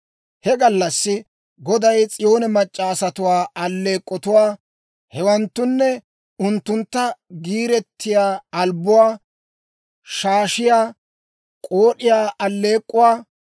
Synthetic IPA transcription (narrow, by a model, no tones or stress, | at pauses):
hɛɡɐlːɐsːɪ | ɡɔd̪ɐjt͡sʼɪjo̞ːnɛmɐt͡ʃʼːaːsɐt̪ʊwaːɐlːe̞ːkʼːɔt̪ʊwaː | hɛwɐnt̪ːʊnːɛ | ʊnt̪ːʊnt̪ːɐɡiːɾɛt̪ːɪjaːɐlbʊwaː | ʃaːʃɪjaː | kʼoːɗɪjaːʔɐlːe̞ːkʼːʊwaː